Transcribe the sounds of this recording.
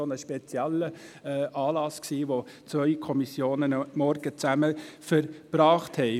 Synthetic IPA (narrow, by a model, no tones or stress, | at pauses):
onəʃpet͡siɛlːəʔɑːlɑsksiːʋo | t͡sʋœʏkʰɔmisjoːnənmɔɾɡ̥ət͡sæməfəɾb̥ɾɑːχthɛɪ